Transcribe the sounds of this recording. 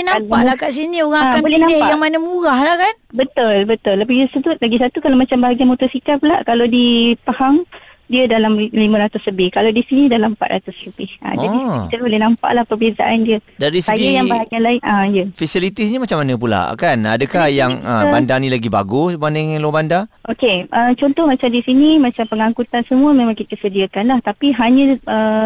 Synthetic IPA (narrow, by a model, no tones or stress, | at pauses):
nalaʔakaʔs̬inĩoɣaŋakanbolɛhnãmajaŋmanəmuɣahlahkanbət̪ʊlbət̪ʊləbaəsəbʊt̪̚laɡisat̪ukalawmat͡ʃambaɦaɡianmot̪usikat̪̚pulaʔkaladipahaŋ | diədalamlimə̃ɾat̪ʊsləbɪhkaladisinĩdalampa̰t̪̚ɾʔa̰t̪ʊsləbɪhʔa̰d͡ʒaiit̪əbolɛhnampa̰ʔlahpərbiasa̰ʔandiə | daɾisajajaŋbaɦaɲalaɪnajəfisilit̪isɲəmat͡ʃamanə̃pula̰ʔkana̰dəkahjaŋəbandanĩlaɡiba̰ɡusbanəŋlobandaʔokeʔət͡ʃɔnt̪ɔhmat͡ʃamdisinimat͡ʃampəŋaŋkut̪ansəmũəmẽmãŋkit̪əsədiakanlaht̪apiɦaɲə̃ʔə